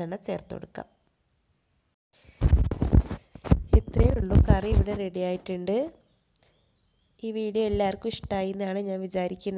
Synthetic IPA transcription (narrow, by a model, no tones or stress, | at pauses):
ɐnɐt͡ɕe̞ːrt̪o̰ɽukːa̰ːm | it̪rejuɭːukɐrieʋiɽe̞re̞ɽijaːjiʈːuɳɖɨ | iːʋiːɽijoelːaːrkːumiʂʈaːjiɾunːaːɳɨɲaːnʋit͡ɕaːɾikʲːunː